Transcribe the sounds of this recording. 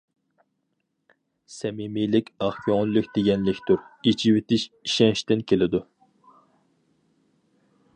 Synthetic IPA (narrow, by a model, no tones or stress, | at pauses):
sɛmimijlɪkʲɑχkʰʲɔŋlɨkʲd̪̥eɡʲɛnlɪkʲt̪ʰuɾit͡ʃʰiwɪt̪ɪʃiʃɛŋʃt̪ɪnkʲʰelɪd̪u